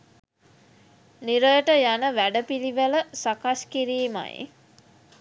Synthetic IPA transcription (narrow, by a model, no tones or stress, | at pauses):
niɾəjəʈəjanəʋæɖəpiliʋələsakaskiɾiːma̰j̰